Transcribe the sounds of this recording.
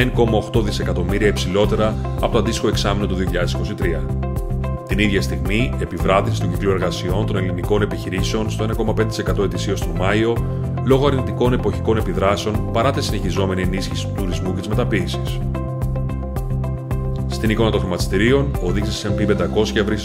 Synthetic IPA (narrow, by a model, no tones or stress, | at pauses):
eŋko̞mɐo̞xt̪o̞ðise̞kɐt̪o̞miɾiɐepsilo̞t̪e̞ɾɐɐpo̞t̪oɐnd̪ist̪ixo̞e̞ksɐmino̞t̪uðioçiʎɐðesiko̞sit̪ɾiɐ | t̪iniðʝɐst̪iɣmie̞pivɾɐðisist̪uɟiklue̞ɾɣɐsio̞nt̪o̞ne̞liniko̞ne̞piçiɾise̞o̞nst̪oe̞nɐko̞mɐpend̪t̪ise̞kɐt̪o̞e̞t̪isio̞st̪omɐio̞ | lo̞ɣoɐɾnit̪iko̞ne̞po̞çiko̞ne̞piðɾɐse̞o̞npɐɾɐt̪isine̞çizo̞me̞nie̞nisçisi̥t̪ut̪uɾizmucet̪izme̞t̪ɐpiːsis | st̪iniko̞nɐt̪o̞xɾimɐt̪i̥st̪iɾio̞noðiɣsisesempipe̞nd̪ɐko̞sçɐvɾi